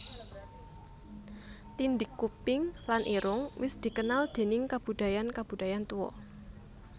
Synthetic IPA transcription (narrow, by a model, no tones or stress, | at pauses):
t̪ind̪ɪkːupɪŋlanʔiɾʊŋwɪsd̪̥i̤kənald̪̥e̤nɪŋkab̥ṳd̪̥a̤jankab̥ṳd̪̥a̤jant̪uwɔ̰